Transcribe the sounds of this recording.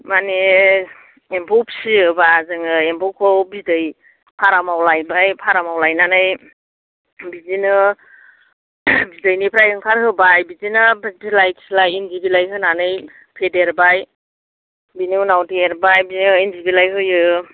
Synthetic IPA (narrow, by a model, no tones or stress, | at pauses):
mane | empʰɔpʰsiɯbazɯŋɯempʰɔkʰɔbidɯj | pʰaɾamawlajbajpʰaɾamawlajnanɯj | bizinɯ | bidɯjnipʰɾajɯŋkʰaɾhɯbajbizinɯbtilajkslajenzibilajɦɯnanɯj | pʰedeɾbaj | biniuwnawtieɾbajbiɯenzibilajɦɯjɯ